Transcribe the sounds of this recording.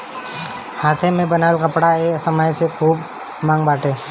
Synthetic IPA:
haːt̪ʰemẽbənaːlkɐpɽaeːsəməjsekʰuːb | mãːŋɡbaːʈeː

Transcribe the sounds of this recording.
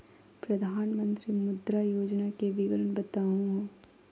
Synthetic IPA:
pɾɐd̪ʱaːnmə̃nt̪ɾimʊd̪ɾajoːd͡ʒnakeʋɪɡəɾənbɐt̪aːɦũɦoː

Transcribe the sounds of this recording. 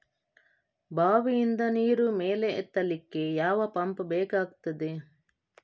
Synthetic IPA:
bʱaːʋijind̪ɐniːɾumeːleːt̪ːɐlikːejaːʋɐpɐmpbɛːkaːɡt̪ɐd̪e

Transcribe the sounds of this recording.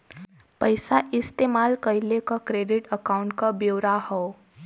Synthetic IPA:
pəjsaʔist̪emalkəjlekakɾeɖiʈəkauɳʈ̚kabjowɾahɔ

